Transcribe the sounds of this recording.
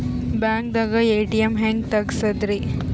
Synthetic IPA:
baːŋk̚d̪aɡɐeːʈijɐmɦeːŋɡt̪ɐɡsɐd̪ɾi

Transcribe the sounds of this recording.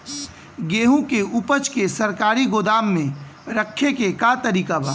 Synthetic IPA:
ɡeːɦũkeupət͡ʃkesɐɾkaːɾiɡod̪aːmːẽ | ɾəkʰːekekat̪əɾiːkabʱaː

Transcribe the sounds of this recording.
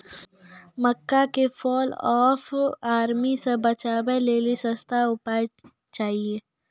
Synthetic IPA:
məkːakefʰɔːlɔːfaːɾmisebɐt͡ʃaːbeleːlisəst̪ʰaʊpa | t͡ʃaːɦieː

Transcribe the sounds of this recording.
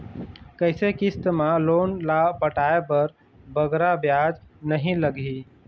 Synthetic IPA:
kəɦɪsekist̪malonlabəʈaepəɾ | bəɡɾabjad͡ʒnəɦĩləɡi

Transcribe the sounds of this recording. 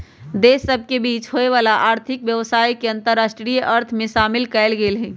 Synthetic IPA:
d̪esːəbʱkebiːt͡ʃɦoeʋalaʔaːɾt̪ʰɪkʋjəʋsaːjkeə̃nt̪əɾːaːsʈɾijʔəɾt̪ʰmẽʃaːmɪlkɛɪlɡelɦɛ̃

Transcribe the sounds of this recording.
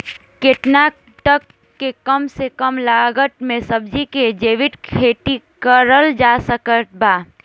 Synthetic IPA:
keʈna | ʈəkː | ekəmsekəmlaːɡəʈ̪mẽsəbd͡ʒiked͡ʒeːʋɪʈkʰeːʈikəɾəld͡ʒaːsəkəʈ̪̚baː

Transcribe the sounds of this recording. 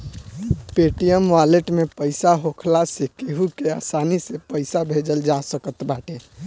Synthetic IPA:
peʈijəmʋaleʈmepəɪsaɦokʰlasekeɦukeasanisepəɪsabʱed͡ʒəld͡ʒasəkət̪baʈe

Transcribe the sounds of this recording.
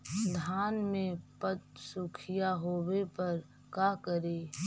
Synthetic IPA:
d̪ʱaːnmẽpət̪̚sʊkʰijaɦoːwepɐɾ | kaːkəɾeː

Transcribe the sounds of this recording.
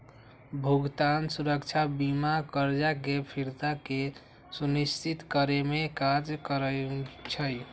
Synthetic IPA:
bʱuɡt̪ansuɾəkt͡ʃʰabimakəɾd͡ʒakepʰiɾt̪ake | sunist͡ʃit̪kəɾemekad͡ʒkəɾət͡ʃʰəj

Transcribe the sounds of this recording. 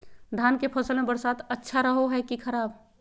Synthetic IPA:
d̪ʱaːnkepʰəsəlmẽbəɾsaːt̪ətːʃʰaɾəɦoɦɛkikʰəɾaːb

